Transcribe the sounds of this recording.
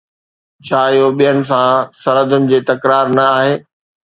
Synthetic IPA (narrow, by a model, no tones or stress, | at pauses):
t͡ɕʰaːɪɦoɓijənɪ̆s̬ãsɐɾəd̪ʱʊnɪ̆d͡ʑeːt̪ɐkɾaːɾnɐaːɦeː